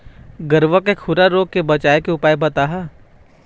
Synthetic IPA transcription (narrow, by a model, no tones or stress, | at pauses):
ɡɐɾʋakekʰʊɾaɾoːɡ̚kebɐt͡ʃaːekeʊpaːjbɐt̪aːɦa